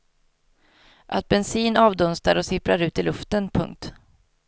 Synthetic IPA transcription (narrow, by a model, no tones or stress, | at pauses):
ʔat̪̚bɛnsiːnɑːvd̪ɵnst̪aɾɔsɪpɾaɾʉ̟ːt̪ɪlɵft̪ənpʰɵ̰ŋk̚t̪